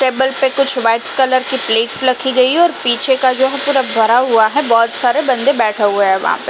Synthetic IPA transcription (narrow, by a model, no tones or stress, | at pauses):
ʈeːbəlpekʊd͡ʑʱʋaːɪʈskɐləɾkipleːʈslɐkʰiɡɐiɔːɾpiːt͡ɕʰekad͡ʑoːɦɛpuːɾabʱɐɾaɦuaɦɛbɔːt̪saːɾebɐ̃nd̪ebɛːʈʰaɦuaɦɛʋɐ̰ɦã̰pe